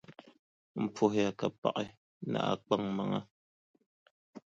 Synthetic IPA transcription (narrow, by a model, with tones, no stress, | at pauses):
m̩˨p͡fo˦˨ha˨ka˨pa̰˨ʔɛ˦ | na̰˨ʔa̰˦˨k͡pa˦˨ŋma˨ŋa˦